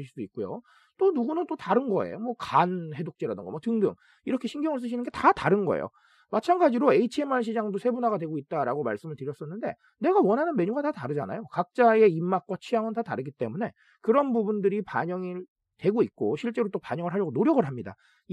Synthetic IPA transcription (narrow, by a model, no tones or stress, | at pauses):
iɭsudoik̚k͈ojo̰ | t͈onuɡunɯnt͈otaɾɯnɡʌe̞̰jomwʌkanhe̞dok̚t͡ɕ͈eɾadɯnɡʌmwʌtɯŋdɯ̰ŋ | iɾʌkʰe̞ɕʰinɡjʌŋɯɭs̬͈ɯɕ̬ʰinɯnɡe̞tataɾɯnɡʌḛjo̰ | mat͡ɕʰanɡad͡ʑiɾoe̞it͡ɕʰiemanɕ̬ʰid͡ʑaŋdosʰe̞bunaɡadwe̞ɡoit̚t͈aɾa̰ɡoma̰ɭs͈ɯmɯɭtɯɾjʌs͈ʌnːɯnde̞ | ne̞ɡawʌnɦanɯnme̞ɲuɡatataɾɯd͡ʑana̰jokak̚t͡ɕ͈ae̞imːak̚k͈wat͡ɕʰijaŋɯntataɾɯɡit͈e̞mune̞ | kɯɾʌnbubundɯɾipaɲʌŋi | twe̞ɡoit̚k͈oɕʰiɭt͡ɕ͈e̞ɾot͈opaɲʌŋɯɭɦaʎjʌɡonoɾjʌɡɯɭɦamɲida̰